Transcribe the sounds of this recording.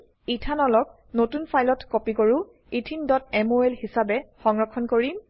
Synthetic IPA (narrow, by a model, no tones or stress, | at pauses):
itʰanɔlɔk̚ | notunpʰajlɔtkopikoɹu | itʰindɔtɛmoɛlhisabɛxɔŋɹɔkʰːɔnkoɹim